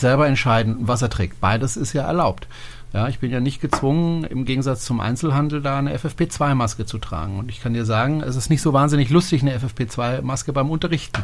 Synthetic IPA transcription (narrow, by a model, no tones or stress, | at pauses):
z̥ɛlbɐɛntʃaɪdn̩vas̬ɐtʁ̥ɛ̰ːk̚t̚b̥aɪdəsɪstjaːɛ̰ɐlaʊpt | jaːɪçb̥ɪnjaːnɪçt̚ɡ̥ət͡sv̥ʊŋənɪ̰mɡeːɡŋ̩zat͡st͡sʊmʔa̰ɪnt͡sl̩ɦandl̩daːnəʔɛ̰fɛfpʰeːt͡sv̥aɪmaskət͡sutʁ̥a̰ːɡŋ̩ʊntɪçkʰandiːɐzaːɡŋ̩ɛ̰s̬ɪstnɪçtz̥oːvaːnzɪnɪçlʊstɪçnəɛfɛfpʰeːt͡sv̥aɪmaskəbaɪmʊntɐʁɪçtn̩